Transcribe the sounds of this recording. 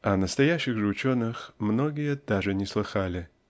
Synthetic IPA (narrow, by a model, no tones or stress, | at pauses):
ɐnəst̪ɐjaɕːɪɣʐɨʊt͡ɕonːɨxmnoɡʲɪjəd̪̥aʐɨnʲɪslˠɨxalʲɪ